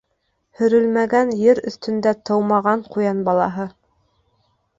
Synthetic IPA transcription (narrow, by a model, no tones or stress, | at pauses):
hɵ̆ɾɵlmæɡænjɘɾɵ̆θt̪ɵ̆nd̪æt̪ɤ̆wmɑʁɑɴqujɑnbɑlˠɑɦɤ